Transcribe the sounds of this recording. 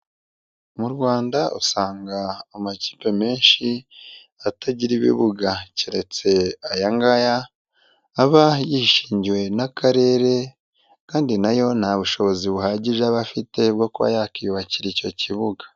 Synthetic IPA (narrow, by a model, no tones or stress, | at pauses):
muɾɡwaːndaʔusaːŋɡaamaci̥ːpe̞me̞ːnʃi | ataɟiɾiβḭβuɡaciɾe̞t͡se̞ajaŋɡajaː | βajiʃiːɲɟiwe̞nakaɾe̞ɾe̞ | kaːndinajo̞n̥haβuʃo̞βo̞ziβuɦaɟiʒaβafite̞bɡo̞kuβa̰jakijuβaciɾico̞ciβuɡḁ